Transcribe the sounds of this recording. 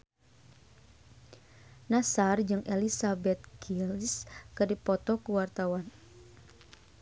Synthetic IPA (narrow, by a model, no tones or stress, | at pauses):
nasard͡ʒɨŋʔɛlisabɛt̪̚kʰilskədipɔt̪ɔkuwart̪awan